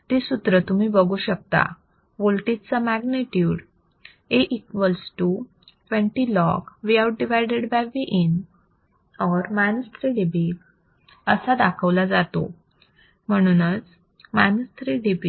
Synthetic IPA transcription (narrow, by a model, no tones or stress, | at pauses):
t̪esut̪ɾət̪um̤iːbəɡuːɕək̚t̪a̰ | ʋolʈit̪t͡samæɡneʈjuːɽ | eʔikʋəlsʈu | ʈʋə̃ɳʈilɔɡʋiawʈ̚ɖiʋajɖeɽbajʋiʔin | ɔɾmanst̪ɾiɖibi | əsad̪akʰəʋlad͡zat̪o̰ | m̤əɽ̃uːnət͡s | manst̪ɾiɖibi